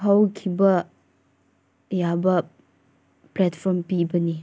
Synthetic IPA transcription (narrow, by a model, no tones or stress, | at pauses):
ɦawkʰibɐ | jabɐ | plɛtpʰɔɾmpibɐni